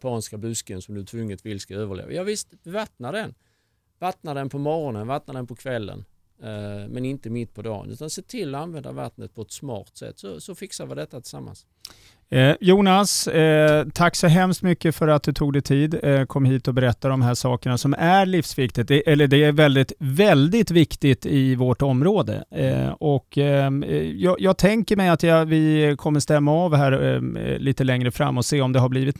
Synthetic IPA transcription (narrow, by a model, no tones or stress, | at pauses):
pʰɑːnskabɵskənsɔmd̪ɵt̪ʰvɵŋːət̪vɪlːskaøːvəɭḛːvə̰jɑvɪst̪vat̪nad̪ɛn | vat̪nad̪ɛnpʰɔmɔɾɔnənvat̪nad̪ɛnpʰɔkʰvɛlːə̰n | mɛnɪnt̪əmɪt̪ːpʰɔd̪ɑ̰ːnʉ̟ːt̪anseːt̪ʰɪlːɔanvɛnd̪a̰va̰t̪nət̪̚pʰɔɛt̪smɑ̰ːɾt̪sɛ̰t̪ːsɔsɔfɪksaɾvɪd̪ɛt̪ːat̪ʰɪ̥samːa̰ns | juːnas | t̪ʰakːsɔɦɛmst̪mʏkːəfœɾat̪̚d̪ɵt̪ʰuːɡd̪ɛjt̪ʰiːd̪kʰɔmːhiːt̪ɔbɛɾɛt̪ːad̪ɔmɦæːʂɑːkəɳasɔmæɾɭifsvɪkt̪ɪt̪̚d̪ɛʔɛlːəɖɛæɾvɛld̪ɪt̪vɛld̪ɪt̪vɪkt̪ɪt̪ɪvɔʈɔmːɾoːd̪ə̰ɔk | jɑːjɑːɡt̪ʰɛŋkəɾmɛjat̪jɑvɪkʰɔmːəʂt̪ɛmːaɑvɦæːɾliːt̪əlɛŋɾəfɾa̰mːɔseːɔmd̪ɛɦabliːvɪt̪